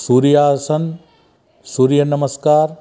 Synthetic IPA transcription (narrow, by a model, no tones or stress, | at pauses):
suːɾijaːsɐn | suːɾijɐnɐməskaːɾ